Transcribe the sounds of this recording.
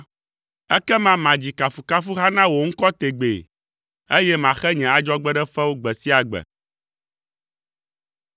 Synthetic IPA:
ɛ˦kɛ˦mã˦mã˨d͡ʑi˨ka˨fu˨ka˦fu˦ɦa˦nã˦wo˨ŋ̩˦kɔ˦t̪e˨ɡ͡bḛ˨ | e˦jɛ˦mã˨xɛ˦ɲɛ̃˨a˨d͡ʒɔ˦ɡ͡bɛ˦ɖɛ˦fɛ˦wo˦ɡ͡bɛ˨si˦a˨ɡ͡bɛ̰˨

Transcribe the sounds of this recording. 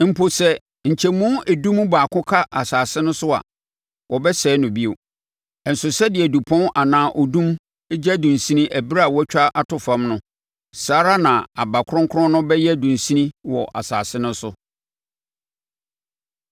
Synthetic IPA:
m̩˨pʰo˨sɛ˦ | ɲ̩˨t͡ɕʰɛ˨mũ˦æ˨dũ˦m˦baː˨kʰʊ̃˦kʰa˦ʔa˨saː˨sɪ˦nʊ̃˦sʊ˦a̰˨ | wɔ˨bɛ˦sɛː˦nʊ̃˨bi˦o˨ | n̩˨sʊ˨sɛ˦dɪ˨ɛ˨du˨pʰɔ̃˦nʔa˨nãː˨˦ʔɔ˨dũ˦m | e˦d͡ʑa˦dũ˨n˨sĩ˦nĩ˦ʔæ˨bi˦ɾa˨wɔ˦t͡ɕᶣa˦ʔa˨tʊ˨fã˦mnʊ̃˦ | saː˦ɾa˦nã˨a˨ba˨kʰɾʊ̃˦ŋ˦kʰʊ˦ɾɔ̃˦nʊ̃˦bɛ˦jɛ˦dũ˨n˨sĩ˦nĩ˦wɔ˨ʔa̰˨sa̰ː˨sɪ˦nʊ̃˦sʊ˦

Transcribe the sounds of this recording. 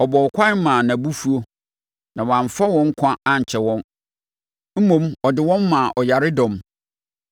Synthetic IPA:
ɔ˨bɔ˨kʷʰa˦mã˨nã˨bu˦fu˦o˦ | nã˨wã˨ɱ˨fa˦wɔ̃˦ŋ̩˦kʷʰã˦a˦ɲ̩˨t͡ɕʰɛ˨wɔ̃˦n | m̩˦mõ˦mɔ˨dɪ˨wɔ̃˦mː˦ã˨ʔɔ˨ja˨ɾɪ˦dɔ̃˨m

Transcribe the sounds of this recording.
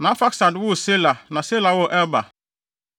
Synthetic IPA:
nã˨˦fa˦ksa˨dwʊ˦˨se˦la˨nã˨se˦la˨wo˦ʔɛ˦ba˨

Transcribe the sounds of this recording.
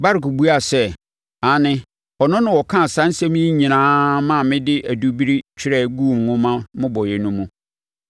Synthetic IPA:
ba˦ɾku˨bu˦a˨sɛ˦ | a˨nɪ̃˦ | ɔ˨nʊ̃˦nʊ̃˨wɔ˨kʰã˦˨sã˦n̩˦sɛ̃˦m˦i˦ɲĩ˨nãː˦mã˦˨mɪ̃˦dɪ˦ʔæ˨du˦bi˦ɾi˦t͡ɕʰᶣɪ˦ɾɛ˦˨ɡu˦˨mnʊ̃˦mã˦mʊ̃˦bɔ˨jɛ˨nũ˦mũ˦

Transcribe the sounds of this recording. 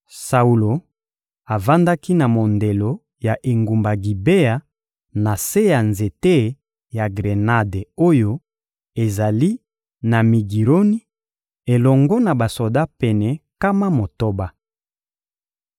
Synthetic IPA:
sa˨u˨lo˨ | a˨va˦nda˦ki˦na˨mo˨nde˨lo˨ | ja˨ʔe˨ŋɡu˨mba˨ɡi˨be˦a˨ | na˨se˦ja˨nze˨te˦ | ja˨ɡʁe˨na˦de˨o˦jo˦ | e˨za˨li˦ | na˨mi˨ɡi˨ʁo˦ni˦ | e˨lɔ˨ŋɡɔ˦na˨ba˨so˨da˦pɛ˨nɛ˨ka˦ma˦mo˨to˦ba˦

